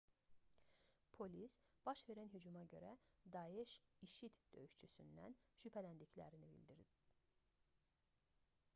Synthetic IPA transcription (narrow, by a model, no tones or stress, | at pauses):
pʰo̞lʲisb̥ɑʃve̞ɾænɦyd͡ʒumɑɟø̞̰ɾæd̪ɑjeʃiʃit̪d̪̥ø̞̰jyʃt͡ʃʰysy̰nd̪æ̰nʃypʰælænd̪iclæ̰ɾinibḭlʲd̪iɾd̪ip